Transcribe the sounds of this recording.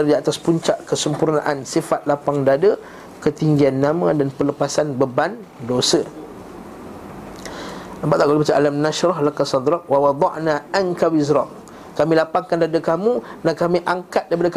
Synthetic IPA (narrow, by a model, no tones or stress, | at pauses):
diat̪aspuɲt͡ʃaʔkəsəmpurna̰ʔansifat̪̚lapaŋdadə | kət̪iŋɡianːãmãdanpələpasanbəban | dosə | əmbaʔt̪aʔkalbat͡ʃaʔalamnaʃɾɑhlakasɑd̪ɾɑʔ̚wawɑd̪ˤɑʔnaʔankawizɾɑm | kamilapaŋkandadəkamunakamĩʔaŋkat̪̚daip̬adək